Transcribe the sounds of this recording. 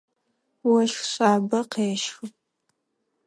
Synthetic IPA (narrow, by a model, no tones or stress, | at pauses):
wɐʃxɕʼaːbɐqeːʃxɨp̚ʼ